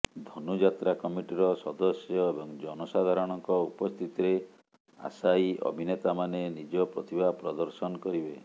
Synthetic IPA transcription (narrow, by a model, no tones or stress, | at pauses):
d̪ʱɔnud͡ʒat̪ɾakɔmiʈiɾɔsɔd̪ɔsjɔebɔŋd͡ʒɔnɔsad̪ʱaɾɔɽ̃ɔŋkɔupɔst̪ʰit̪iɾe | a̰saiʔɔ̰bʱinet̪amanenid͡ʒɔpɾɔt̪ibʱapɾɔd̪ɔɾsɔnɔkɔɾibe